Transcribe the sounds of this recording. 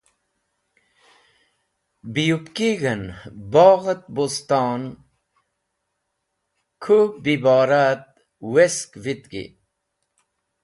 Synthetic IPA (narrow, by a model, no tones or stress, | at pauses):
bijupkiɣɐnbaːɣɐt̪̚bost̪ɑːn | kʰubibaːɾat̪̚ | weskvit̪ɡḭ